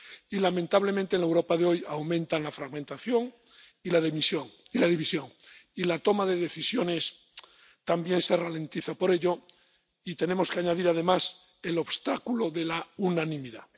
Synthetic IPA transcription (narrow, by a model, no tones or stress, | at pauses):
ilamẽ̞nt̪aβle̞mẽnt̪enlewɾo̞paðeo̞jawmẽnt̪anlafɾaɣmẽnt̪aθjo̞ŋ | ilaðemisjo̞ŋilað̞iβisjo̞ŋilat̪o̞maðe̞ðe̞θisjo̞ne̞s | t̪ambje̞nse̞ralẽ̞nt̪iθapo̞ɾe̞ʎo̞ | it̪e̞ne̞mo̞skeaɲaðiɾað̞e̞mas | e̞lo̞βst̪akuloðe̞launãnĩmiða̰